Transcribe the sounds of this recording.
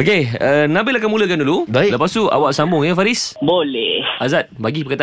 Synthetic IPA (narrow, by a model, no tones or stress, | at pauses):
okeənãbɪlakamũləkandulubaləpast̪uʔa̰waʔsambʊŋjəfaɾɪsbolɛhazat̪̚baɡipəkat̪a